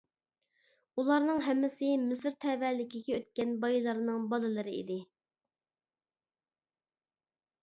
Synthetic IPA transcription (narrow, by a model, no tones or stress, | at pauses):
ulˠɑɾnɨŋɦɛmːɪsɪmɪsɾt̪ʰɛvɛːlɪkʲiɡʲɛøt̪̚kʲɛnbɑjilˠɑɾnɨŋbɑlˠɨlˠɨɾɨḭd̪ɪ